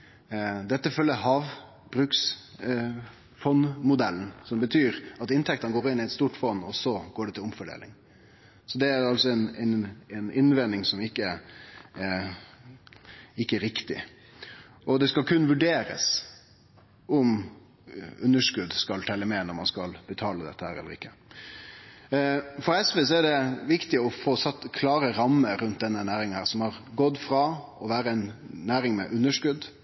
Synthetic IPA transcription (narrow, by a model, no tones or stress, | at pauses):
d̪ɛt̪ːəfœlːəɦɑːʋ | bɾʉːks | fɔnmʊd̪ɛln̩sɔmbət̪ʰyːɾɑt̪ɪnt̪ʰɛk̚t̪ənɡoːɾɪnːɪɛt̪st̪uːʈfɔnːɔsɔɡ̥oːɖɛt̪ɪlɔmfɔɖḛːlɪ̰ŋ | sɔd̪ɛæɾɑlsɔɛnɛnɛnɪnʋɛnːɪŋsɔmɪkːə | ɪkːəæɾɪkt̪ɪ̰ | ʔɔd̪ɛskɑlkʰʉnːʋʉɖeːɾə̰s | ɔm | ʉnːəʂkʉd̪skɑlt̪ʰɛlːəmɛːnɔɾmɑ̰nskɑlbət̪ʰɑːləd̪ɛ̰t̪ːəhæ̰ːɾɛ̰ləɾɪkːə | fɔɾɛsʋeːs̬ɔɛɖɛʋɪkt̪ɪɔfoːsɑt̪ːkʰlɑːɾəɾɑmːəɾʉnt̪̚d̪ɛnːənæːɾɪŋənhæːɾsɔmhɑɾɡɔd̪ːfɾɑɔʋæːɾəɛɪnːæːɾɪŋmɛ̰ʔʉnːəʂkʉd̪